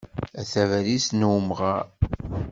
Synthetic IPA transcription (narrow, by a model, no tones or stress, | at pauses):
æθævæɾisnwmʁaɾ